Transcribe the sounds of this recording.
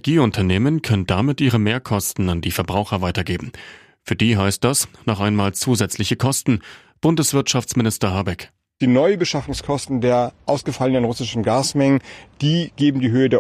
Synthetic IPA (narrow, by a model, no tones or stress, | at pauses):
ʔʔɛɡiːʊntʰɐneːmənkʰœnəndamɪtʔiːʁəmeːɐkʰɔstn̩andiːfɛɐbʁaʊxɐvaɪtɐɡeːbm̩ | fyːɐdiːɦaɪst̚d̥asnɔχʔaɪnmaːlt͡suːzɛt͡slɪçəkʰɔstn̩ | b̥ʊndəsv̥ɪɐtʃaft͡smɪnɪstɐɦaːbɛk | d̥iːnɔʏbəʃafʊŋskʰɔstn̩deːɐʔaʊsɡ̥əfalənənʁʊsɪʃn̩ɡaːsmɛŋənd̥iːɡ̥eːbm̩diːɦøːədeː